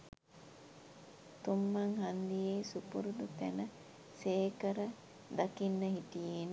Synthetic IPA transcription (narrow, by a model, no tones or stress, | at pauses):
t̪umːɐŋhand̪ijeːsupuɾud̪ut̪ænə | seːkəɾə | d̪ɐkinːəɦit̪ijen